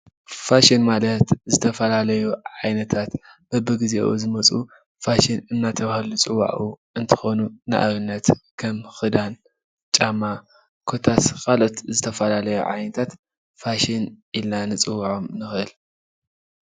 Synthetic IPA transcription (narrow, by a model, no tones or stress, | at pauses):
faʃinmalɐt̪zɨt̪ʰɐfɐlalɐjuʕajnɐt̪ʰat̪b̥ɐbɨɡizḛʔṵzɨmɐt͡sʼu | faʃinɨnːat̪ʰɐβhɐlut͡sʼɨwa̰ʔuʔɨnt̪ʰɨ̥xo̞nuna̰ʔa̰βɨnːɐt̪kʰɐmxɨd̪an | t͡ʃʼamːa | kʰot̪ʰaskʰalo̞t̪zɨt̪ʰɐfɐlalɐjṵʕa̰jnɐt̪ʰat̪ | faʃinilnanɨt͡sʼɨwaʕo̞mnɨxʔɨl